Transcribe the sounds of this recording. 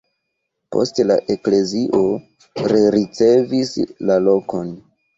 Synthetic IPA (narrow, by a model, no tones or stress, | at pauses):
po̞̰stla̰ʔe̞kle̞ziʔo̞ | ɾeɾit͡se̞vislalo̞ko̞n